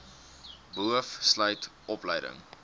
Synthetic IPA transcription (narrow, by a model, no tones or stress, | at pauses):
buəfsləjtʔɔpləjdə̰ŋ